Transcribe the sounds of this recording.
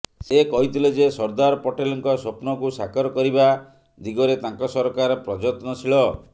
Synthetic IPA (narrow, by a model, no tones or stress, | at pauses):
sekɔɦit̪ʰiled͡ʒesɔɾd̪aɾɔpɔʈelɔŋkɔsopnɔkusakɔɾɔkɔɾiba | d̪iɡɔɾet̪aŋkɔsɔɾkaɾɔpɾɔd͡ʒɔt̪nɔt͡ʃʰilɔ